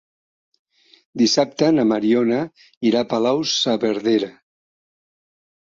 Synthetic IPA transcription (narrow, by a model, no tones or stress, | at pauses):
d̪isap̚t̪ənamaɾiona | iɾapalawsaβeɾðeɾa